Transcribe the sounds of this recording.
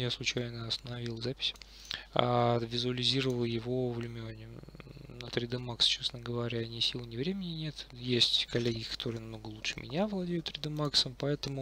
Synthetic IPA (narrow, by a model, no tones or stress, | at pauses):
jaslˠʊt͡ɕæjnəɐst̪ənɐvʲilˠzapʲɪ̥sʲ | avʲɪzʊəlʲɪzʲiɾəvəlˠjɪvo̞vlʲɪmʲɪonʲɪnət̪ɾʲɪd̪əmakst͡ɕesnəɡəvɐɾʲaːnʲisʲilˠnʲɪvɾʲemʲɪnʲɪnʲe̞t̪jesʲtʲkɐlʲːeɡʲɪkɐ̥t̪o̞ɾɨjnɐmno̞ɡəlˠutʂɨ̥mʲɪ̰nʲavlˠɐdʲejʊt̪ːɾʲɪd̪əmaksəmpɐɛt̪əmʊ